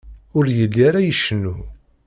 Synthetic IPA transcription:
ʊɾjəlːiɾajəʃːnːu

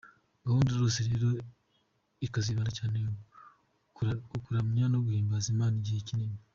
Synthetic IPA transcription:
ŋɡahuːndiɾoːseɾe̞ːɾo̞ | ikaziβaːndacaːne | kuɾamuɲaːnoɡuhiːmbazimaːniɟihecinimi

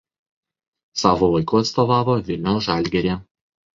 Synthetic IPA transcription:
sɑːʋoːʋɐɪkʊɐt̪st̪oːʋɑːʋoːʋʲɪlʲnʲoʊʒɑˑlʲɡʲɛɾʲeː

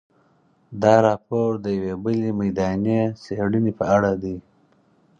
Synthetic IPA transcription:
d̪ɑɾɑpoɾd̪əjawebəlimajd̪ɑnieseɽənipəaɽad̪i

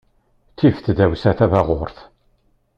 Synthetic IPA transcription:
tːifθd̪æwsæθævæʁoɾθ

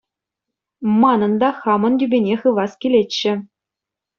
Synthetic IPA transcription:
mɑnɤ̆nd̪ɑχɑmɤ̆nt̪ʲybʲenʲeχɯʋɑskʲilʲet͡ɕːɘ̆

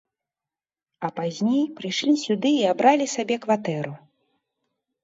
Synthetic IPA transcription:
ɐpazʲnʲejpɾɨjʂlʲisʲud̪ɨiabɾalʲisabʲɛkvat̪ɛɾu

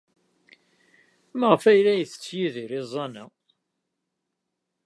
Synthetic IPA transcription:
məʁfæjlæjəθə̥t͡sːjiðiɾɪzˤːɑnæ

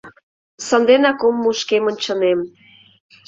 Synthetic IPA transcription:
sənd̪enɑkomːuʃkemə̆nʲt͡ɕə̆nem

